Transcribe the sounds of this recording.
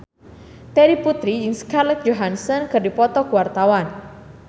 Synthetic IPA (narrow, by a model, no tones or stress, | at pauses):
t̪ɛɾiput̪ɾid͡ʒɨŋskarlɛt̪̚d͡ʒoɦansənkɨrdipɔt̪ɔkuwart̪awan